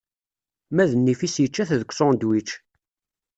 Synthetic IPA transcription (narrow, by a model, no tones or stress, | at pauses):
mæðənːifisjət͡ʃːæθðəkʷːsɔd̪wit͡ʃː